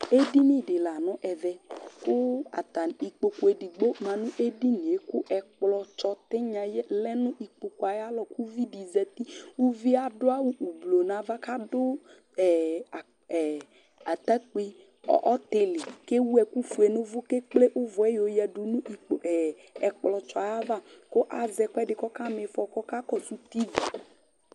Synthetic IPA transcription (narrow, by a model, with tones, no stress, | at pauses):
e˦di˦mĩ˦ɖɪ˨la˨nɔ̃˦ʔɛ˨ðɛ˨kʊ˦a̰˨t̪a˨ni˨k͡po˨ko˨˦e˨ɖi˨ɡ͡bo˦mã˨nʊ̃˦ʔe˦di˦ñ˨e˨kʊ˦ʔɛ˨k͡plɔ˦t͡ʃɔ˦t̪ɪ˦ɲã˨jɛ˦lɛ˦nʊ̃˦ʔi˨k͡po˨ko˦a˨ja˦lɔ˨ku˦vi˦di˨zɛ˨t̪i˦wu˦vi˦a˨dʊ˦a˦wu˦ʔu˨blo˨nã˨va˦ka˦dʊ˦ | ɛ˨ | a˨t̪a˦k͡pe˦ | ɔ̰˨ʔɔ˦t̪ɪ˨lɪ˨ke˦wu˦ɛ˨ku˦fu˨e˨nʊ̃˦vʊ˦ke˦k͡ple˦ʔʊ˦vɔ˨ɛ˦jo˨jɛ˨ɖʊ˨nʊ̃˦i˨k͡po˨ʔ | ɛ˨k͡plɔ˨t͡ʃɔ˦a˨ja˦va˦˨kʊ˦ʔa˨zɛ˨kɔ˦ɛ˦ɖɪ˨kɔ˦ka˦me˨fɔ˨kɔ˦ka˦kɔ˦su˦t̪i˦vi˨